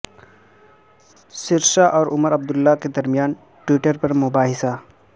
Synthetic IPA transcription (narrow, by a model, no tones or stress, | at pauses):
sɪɾʃaʔɔːɾʔʊməɾɐb̚d̪ʊlːaked̪ɐɾmijaːn | ʈwɪʈəɾpɐɾmʊbaːɦɪsa